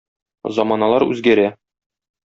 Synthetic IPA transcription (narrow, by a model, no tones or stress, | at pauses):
zɒmɑnɑlˠɑɾʉ̰zɡæɾæ